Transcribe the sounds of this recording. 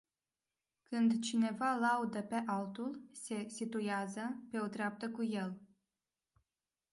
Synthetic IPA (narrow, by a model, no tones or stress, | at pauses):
kɨnd̪t͡ʃine̞valaud̪əpe̞ʔalt̪ulse̞sit̪ujazəpe̞ot̪ɾeap̚t̪əkuje̞l